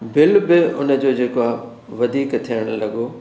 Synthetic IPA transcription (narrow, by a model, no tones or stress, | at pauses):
bɪlbɪʊnə̆d͡ʑoːd͡ʑeːkoa | ʋɐd̪ʱiːkt̪ʰijəɽ̃lɐɡoː